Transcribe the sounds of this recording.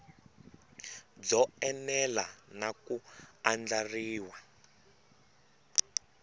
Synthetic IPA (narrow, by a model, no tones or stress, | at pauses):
d͡zɔɛnɛlanakuand͡ɮariːwa